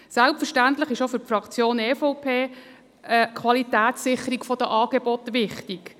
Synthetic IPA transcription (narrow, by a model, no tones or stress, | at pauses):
sælpfəʃtænt̪lɪχɪʃofʏrpfrɑkt͡sjoːneːfɔʊpʰeː | əkʰʋɑlit̪æːtsːɪχːəɾikfɔd̥̪əʔɑːɡ̥ebɔt̪ʋɪχt̪ik